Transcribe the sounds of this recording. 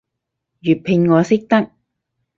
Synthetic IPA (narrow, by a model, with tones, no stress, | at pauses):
jyː˨˩t̚pʰɪ˧ŋŋɔː˨˧sɪ˥k̚t̪ɐ˥k̚